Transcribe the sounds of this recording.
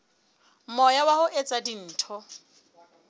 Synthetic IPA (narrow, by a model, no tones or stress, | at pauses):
mɔjawahʊʔet͡sʼadin̩ːtʰɔ